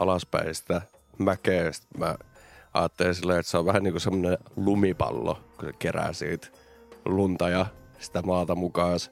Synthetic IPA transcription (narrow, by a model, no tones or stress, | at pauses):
ʔɑlɑspæ̰isi̥t̪æ | mækeːst̪mæ̰ɑ̰ːt̪ːelinsilːeet̪seoʋʋæhæniːkusemːonelumipɑ̰lːo̰kusekeræ̰ːsḭːt̪ | lunt̪ɑjɑ | si̥t̪æmɑːt̪ɑmukɑːs